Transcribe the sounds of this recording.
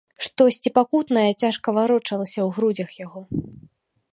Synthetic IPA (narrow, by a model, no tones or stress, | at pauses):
ʂt̪ɔsʲt͡sʲipakut̪nɐjɐt͡sʲaʂkɐvaɾɔt͡ʂɐlˠɐsʲɐwɣɾud͡zʲɐxjaɣɔ